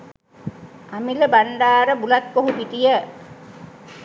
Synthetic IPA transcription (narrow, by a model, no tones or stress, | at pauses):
amiləbaɳɖaːɾəbulat̪̚koɦupit̪ijə